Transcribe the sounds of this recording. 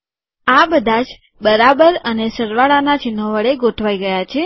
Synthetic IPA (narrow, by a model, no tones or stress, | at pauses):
abəd̪ʱad͡ʒ | bəɾabəɾənesəɾʋaɭanat͡ʃɪnːoʋəɭeɡoʈʰʋaiɡəjat͡ʃʰe